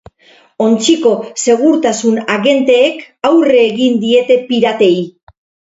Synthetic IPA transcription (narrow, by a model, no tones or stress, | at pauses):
o̞nt͡siko̞se̞ɣuɾt̪asunaɣe̞nt̪e̞ːk | awreːɣind̪ie̞t̪e̞piɾat̪e̞i